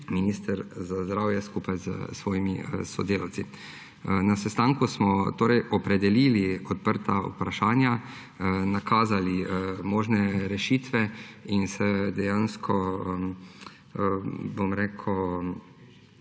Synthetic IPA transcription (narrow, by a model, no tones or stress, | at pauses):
miniːst̪əɾzazd̪ɾaːwjɛskupajzə̰sʋɔːjimḭsɔ̰d̪eːlawtsi | nasɛst̪aːŋkusmɔt̪oːɾɛjʔɔpɾɛd̪ɛliːliɔt̪̚pəɾt̪aṵpɾaʃaːnja | nakʰaːzalimoːʒnɛɾɛʃiːt̪ʋɛinsɛd̪ɛjanskʰɔ | bomɾeːkʰɔ